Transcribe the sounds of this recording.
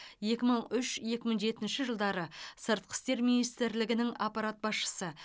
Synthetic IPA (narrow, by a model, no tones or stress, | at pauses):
je̞kʲɪməɴʏʃje̞kʲɪməŋʒe̞t̪ɪnʃɪʒəlˠd̪ɑɾəsəɾt̪̚qʰə̥st̪e̞ɾminijst̪ɾlɪɡʲɪnɪŋɑpɑɾat̪̚bɑsʃə̥sə